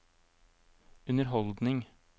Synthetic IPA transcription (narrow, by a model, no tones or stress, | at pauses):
ʉnəɾɦɔld̪nɪŋ